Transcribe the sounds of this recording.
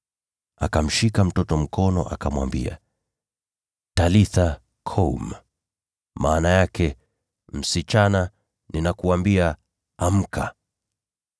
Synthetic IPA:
akam̩ʃikam̩tɔtɔm̩kʰɔnɔ̰ʔa̰kamwa̰mbḭa̰ | taliθa | kʰɔm | maːnajakʰɛ | m̩sit͡ʃana | ninakuambia | am̩kʰa

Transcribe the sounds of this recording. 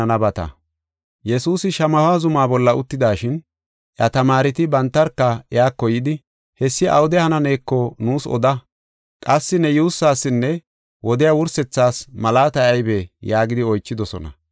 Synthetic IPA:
ɐnɐbɐt̪ɐ̰ | jɛsuːsɪʃɐmɐfaːzʊmaːbɔlːɐʊt̪ːɪd̪aːʃɪn | ʔjɐt̪ɐmaːɾɪt̪ɪbɐnt̪ːɐɾkːɐɛjaːkːɔjɪd̪ɪ | hɛsːɪʔɐ̰wd̪ɛhɐnɐne̞ːkːɔnuːsɔ̰d̪ɐ | kʼɐsːɪnɛjuːsːaːsːɪnːɛ | wɔd̪ɪjɐwʊɾsɛt͡sːaːsmɐlaːt̪ɐjɐjbɛjaːɡɪd̪ɪɔjt͡ʃːɪd̪ɔsɔ̰nɐ̰

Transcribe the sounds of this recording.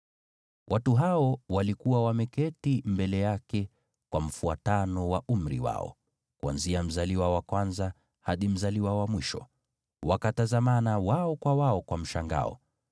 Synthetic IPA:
wʔatuɦaɔwalikuwawamɛkɛtimbɛlɛjakɛ | kwam̩fua̰tanɔwaʔum̩ɾḭwa̰ɔ̰ | kua̰nziam̩zaliwawakwanza | haɗim̩zaliwawamwiʃɔ̰ | wakatazamanawaɔkwawaɔkwam̩ʃaŋɡa̰ɔ̰

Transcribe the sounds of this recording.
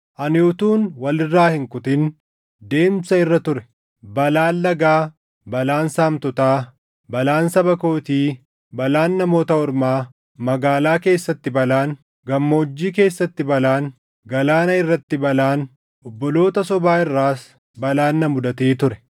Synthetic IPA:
ʔɐnjoːt̪uːnwɐlɪrːaːhɪŋkʊt̪ɪn | d̪e̞ːmsɐɪrːɐt̪ʊɾɛ | bɐlaːlːɐɡaː | bɐlaːnsaːmt̪ɔt̪aː | bɐlaːnsɐbɐkoːt̪iː | bɐlaːnːɐmo̞ːt̪ɐɔɾmaː | mɐɡaːlaːke̞ːsːɐt̪ːɪbɐlaːn | ɡɐmːo̞ːd͡ʒːiːke̞ːsːɐt̪ːɪbɐlaːn | ɡɐlaːnɐɪrːɐt̪ːɪbɐlaːn | ʔɔbːɔlo̞ːt̪ɐsɔbaːɪrːaːs | bɐlaːnːɐmʊd̪ɐt̪eːt̪ʊɾɛ̥

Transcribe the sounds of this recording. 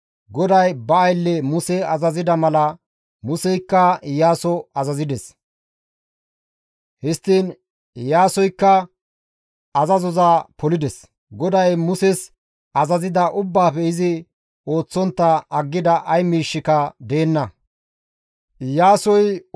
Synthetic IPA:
ɡɔd̪ɐjbɐːjlːɛmʊsɛɐzɐzɪd̪ɐmɐlɐ | mʊsɛjkːɐɪjaːsɔɐzɐzɪd̪ɛs | hɪst̪ːiːn | ɪjaːsɔjkːɐ | ɐzɐzɔzaːpɔlɪd̪ɛs | ɡɔd̪ɐjmʊsɛs | ɐzɐzɪd̪ɐʔʊbːaːpɛɪzɪ | o̞ːt͡sːɔnt̪ːɐɐɡːɪd̪ɐʔɐjmiːʃːɪkɐd̪e̞ːnːɐ | ɪjaːsɔj

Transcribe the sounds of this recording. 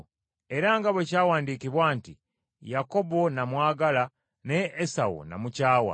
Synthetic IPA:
e̞ɾaŋɡaβwe̞caːwaːndiːkiβwaːnti | jako̞bo̞namwaːɡala | neːsawo̰na̰mucaːwa̰

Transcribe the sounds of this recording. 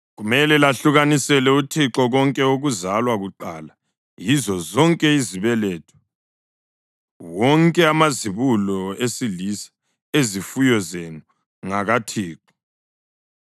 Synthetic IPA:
ɣumɛlɛlaɬuɣanisɛlɛutʰiǁɔɣɔŋkʼɛoɣuzalwaɣuǃala | jizɔzɔŋkʼɛiziβɛlɛːtʰɔ̥ | wɔŋkʼɛamaziβulɔesilisḁ | ezifujɔzenu | ŋaɣatʰiːǁɔ̥

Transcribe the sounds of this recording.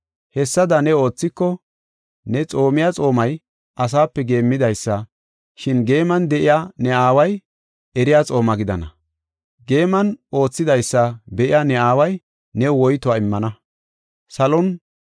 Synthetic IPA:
hɛsːɐd̪ɐnɛo̞ːt͡sːɪkːɔ | nɛt͡sʼo̞ːmɪjat͡sʼo̞ːmɐj | ʔɐs̬aːpːɛɡe̞ːmːɪd̪ɐjsːɐ | ʃɪnɡe̞ːmɐnd̪ɛʔɪjanɛaːwɐj | ɛɾɪjat͡sʼo̞ːmɐɡɪd̪ɐnɐ̰ | ɡe̞ːmɐno̞ːt͡sːɪd̪ɐjsːɐbɛʔɪjanɛaːwɐj | nɛwɔjt̪ʊaːɪmːɐnɐ | sɐlɔn

